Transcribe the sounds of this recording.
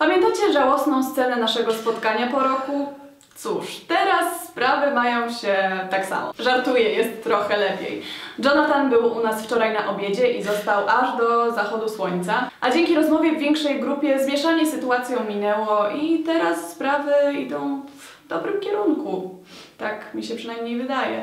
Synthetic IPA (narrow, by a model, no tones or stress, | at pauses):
pamʲjɛnt̪at͡ɕɛʐawɔsnɔ̃w̃st̪sɛnɛnaʂɛɡɔspɔt̪kaɲapɔɾɔku | t̪suʂt̪ɛɾasːpɾavɘmajɔ̃w̃ɕɛt̪aksa̰mɔ̰ʐaɾt̪ujɛjɛst̪ːɾɔxɛlɛpʲjḛjd͡ʐɔnat̪anbɘwʔunasft͡ʂɔɾajnaʔɔbʲjed͡ʑɛʔizɔst̪awʔaʐd̪ɔzaxɔd̪uswɔɲt̪saʔad͡ʑeŋʲkʲiɾɔzmɔvʲjɛvːʲjɛŋkʂɛjɡɾupʲjɛzmʲjɛʂaɲɛsɘt̪uat̪sʲjɔ̃w̃mʲinɛwɔit̪ɛɾasːpɾavɘid̪ɔ̃w̃v | d̪ɔbɾɘmkʲɛɾunku | t̪akmʲiɕɛpʂɨnajmɲejvɘd̪ajɛ